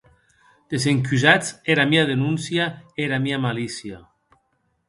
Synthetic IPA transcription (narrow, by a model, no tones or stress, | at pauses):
d̪̥ezeŋkyzat͡seɾamiaðenunsjaeɾamiamalisja